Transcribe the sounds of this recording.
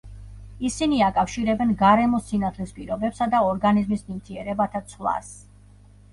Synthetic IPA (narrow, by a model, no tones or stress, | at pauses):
isiniakʼafʃiɾɛbɛnɡaɾɛmɔsinat̪ʰlɛspʼiɾɔbɛpsad̪aɔɾɡanizmismimt̪ʰiɛɾɛbat̪ʰat̪sʰlˠa̰s